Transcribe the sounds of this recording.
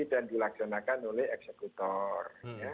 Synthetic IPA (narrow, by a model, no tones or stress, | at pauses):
it̪andilaksanakanolɛhɛksekut̪ɔrja